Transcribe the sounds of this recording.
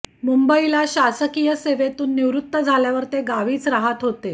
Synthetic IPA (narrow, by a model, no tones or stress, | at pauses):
mumbəilaɕasəkijəseʋet̪uːnːiʋɾut̪ːəd͡zʱaljaʋəɾt̪eɡaʋiːt͡sɾaɦət̪ɦot̪e